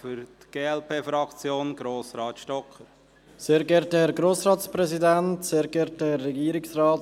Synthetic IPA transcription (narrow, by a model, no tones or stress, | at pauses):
fʏɾt̪ɡ̥eːɛlpʰeːfɾɑkt͡sjoːnɡ̥ɾoːsɾɑːt̪ʃtɔkʰːəɾ | seːɾɡɛɾtəhɛɾɡɾoːsɾɑːtspɾɛzidɛntseːɾɡɛɾtəhɛrːɛɡiːɾɪksrɑːt